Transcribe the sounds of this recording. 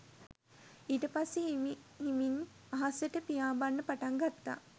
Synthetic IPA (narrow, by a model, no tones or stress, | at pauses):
iːʈəpasːe | ɦimin | aɦasjəʈəpijaːbanːəpaʈaŋɡat̪ːa̰